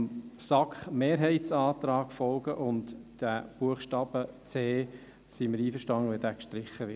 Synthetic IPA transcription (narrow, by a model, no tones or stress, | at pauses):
msɑkχmeːɾɦɛɪt͡sɑːt̪ɾɑːɡ̥fɔlɡəʔʊntd̥æb̥uəχʃtɑːb̥ət͡seː | siməɾiːfəɾʃtɑnəʋɛdæːkʃtɾɪχːəʋɪ